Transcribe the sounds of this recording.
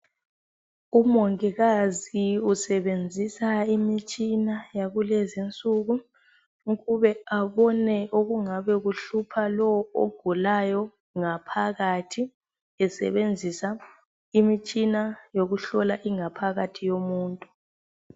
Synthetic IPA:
umɔŋɛɣaziusɛβend͡zʱisaimit͡ʃʼinajaɣulezint͡sʼuɣu | ɣuβɛaβɔnɛoɣuŋaβɛɣuɬupʰalɔo̰ɡ̥ʱulajɔ | ŋapʰaɣatʰi | ɛsɛ̰βend͡zʱisa | imit͡ʃʼinajoɣuɬɔlaʔiŋapʰaɣatʰijomuːntʼu

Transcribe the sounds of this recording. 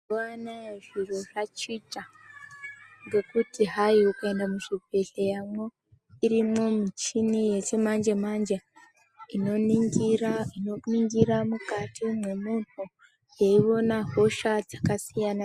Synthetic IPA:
oanaeʐiro̞ʐat͡ʃit͡ʃa | ŋɡe̞kutiɦaiukae̞ndamuʃibʱeɬejamwo̞ | iɾimo̞mit͡ʃinije̞t͡ʃemand͡ʒemand͡ʒa | inoni | inoniŋɡiɾamukatʰimwemunnu | jeiʋo̞naɦo̞ʃad͡zakasijana

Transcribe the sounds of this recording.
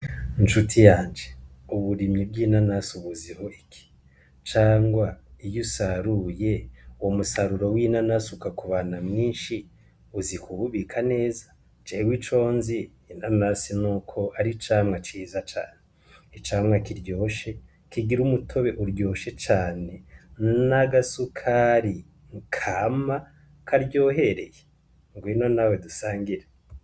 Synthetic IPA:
nʃutʰijaːnd͡ʒeuβuɾimɲib̚ɡiːnanasuβuziho̞ʔikʰi̥ | t͡ʃaːŋɡwaijusaɾujeuwomusaɾuɾowinanasukakuβaːnamŋiːnʃi | uzikuβuβikʰane̞ːzḁ | t͡ʃewit͡ʃo̞ːnziː | nanasinuːkʰo̞ʔaɾit͡ʃaːmŋat͡ʃiːzat͡ʃa̰ːne | it͡ʃaːmŋakiɾɟoːʃe̞ | kiɡiɾumutʰo̞βe̞ʔuɾɟo̞ːʃe̞t͡ʃaːne̞naɡasukʰaɾi | ŋkʰaːma | kʰaɾɟoːɦe̞ɾe̞je | ŋɡwino̞nawedusaːŋɡiɾe

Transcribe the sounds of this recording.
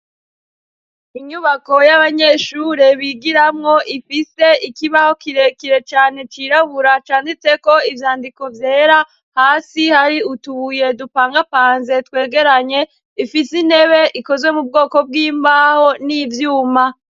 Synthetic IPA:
iɲuβako̞jaβaɲe̞ʃuɾeβiɡiɾamŋo̞ʔifise̞ikiβaho̞kiɾe̞kiɾe̞t͡ʃaːne̞t͡ʃiɾaβuɾat͡ʃaːndit͡se̞ko̞ivjaːndiko̞vje̞ːɾa | haːsihaɾiutuβuje̞dupaːŋɡapaːnze̞twe̞ːɡe̞ɾaɲe̞ | ifisine̞βe̞ʔiko̞zwe̞mub̚ɡo̞ːko̞b̚ɡiːmbaho̞nivjuːma

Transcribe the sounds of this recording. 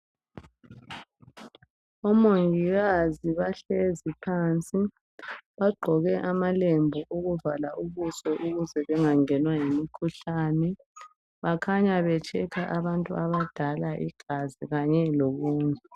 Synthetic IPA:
ɔmoŋiɣaziβaɬezipʰaːnt͡sʼi | βaɡ͡ǃʱɔɣɛʔamalembʱɔʔuɣuvalaʔuβusɔʔuɣuzɛβɛŋaŋɛnwajimikʰuɬanɛ | βakʰaɲaβɛt͡ʃʰʼɛkʰaʔaβantʼuaβad̥ʱalaʔḭɡ̥ʱaziɣaɲɛloɣuːnɛ

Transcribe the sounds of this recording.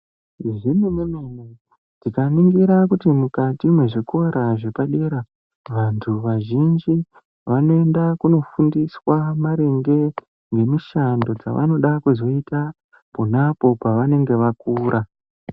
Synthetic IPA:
ʐimemeneme | dikaniŋɡiɾak̬utimukatimwe̞ʐiko̞ɾaʐe̞paɗe̞ɾa | ʋantʰuʋaʒind͡ʒi | ʋano̞e̞ndakuno̞fundiswamaɾe̞ŋɡe̞ | ŋɡe̞miʃando̞d͡za̰ʋa̰no̞ɗakuzo̞ita | ponapo̞paʋane̞ŋɡe̞ʋakuːɾʔa

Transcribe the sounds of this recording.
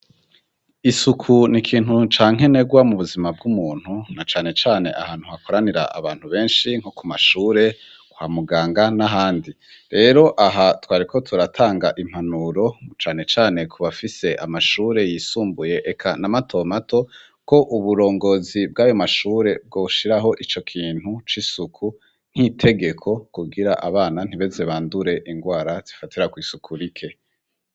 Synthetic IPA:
isukʰunikʰiːnhut͡ʃaːŋ̥ɦe̞ne̞ɡwamuβuzimabɡumuːn̥hunat͡ʃaːne̞t͡ʃaːne̞̰ʔa̰haːn̥huhako̞ɾaniɾa̰a̰βaːn̥huβe̞ːnʃiŋ̥hokumaʃuːɾe̞ | kwa̰ːmuɡaːŋɡanaɦaːndi | ɾe̞ːɾo̞ʔaɦatwaːɾikʰo̞tʰuɾatʰaːŋɡaʔim̥hanuɾo̞t͡ʃaːne̞t͡ʃaːne̞kʰuβafise̞ʔa̰maʃuːɾe̞jiːsuːmbuje̞ʔekʰanamatʰo̞mato̞ | ko̞ʔuβuɾo̞ːŋɡo̞zib̚ɡaːjo̞maʃuːɾe̞b̚ɡo̞ːʃiɾaɦo̞ʔit͡ʃo̞kʰiːn̥hut͡ʃisukʰu | n̥hitʰe̞ɡe̞kʰo̞kuɡiɾaʔa̰βaːnan̥iβe̞ze̞βaːnduɾe̞ʔiŋɡwaːɾaz̥ifatiɾakwiːsukʰuɾikʰe̞

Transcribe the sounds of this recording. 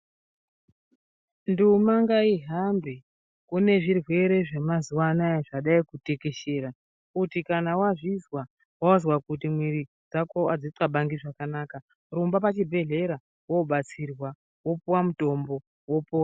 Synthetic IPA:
ndumaŋɡaiɦambe | kune̞ʐirwe̞ɾe̞ʐemazuwanaʐaɗaikute̞ke̞ʃe̞ːɾa | utikanawaʐizwa | wauzwakutimwiɾi | d͡zakoad͡zit͡skaɓaŋɡiʐakanaːka | rumbapat͡ʃibʱe̞ɮe̞ɾa | woɓat͡sirwa | wopuwamuto̞mbo̞ | wopowa

